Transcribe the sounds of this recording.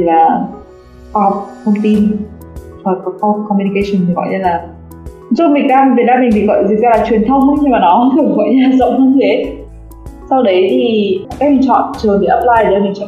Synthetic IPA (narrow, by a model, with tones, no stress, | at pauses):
t̪ʰi˨˩laː˨˩ | xwaː˧hɔ˨˩wk͡p̚t̪ʰə˧wŋ͡mt̪i˧n | vaː˨˩kɔ˨˦kɔ˧kɔ˧mju˧ni˧kə˧sə˨˩nt̪ʰi˨˩ɣɔ̰˧˨jɲə˧laː˨˩˨ | zə˧˥mi˨˩ŋɗaː˧m˨ve˨˩ɗaː˧mi˨˩ŋt̪ʰi˨˩ɣɔ̰˧˨jzɨ˨˩ŋ̚zaː˧laː˨˩t͡ɕwi˨˩ənt̪ʰə˧wŋ͡mə˧˥ɲɨ˧maː˨˩nɔ˨˦kɨ˨˧˩ɣɔ̰˧˨jɲ˨˧aː˨˩zə̰˧˨wŋ͡m̪ʰə˧ŋ͡mt̪ʰe˨˦ | sa˧wɗə˨˦jt̪ʰi˨˩kaː˦˥k̚lḭ˧˨t͡ɕɔ̰˧˨nt͡ɕəː˨˩nɗəː˨˦ʔə˦˥p̚laː˧jə˧˩mi˨˩t͡ɕɔ̰˧˨